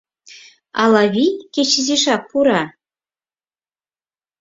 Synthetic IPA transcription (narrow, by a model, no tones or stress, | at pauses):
ɑ̰lˠɑβʲijkʲet͡ɕɘ̆zeʂɑk̚puɾɑ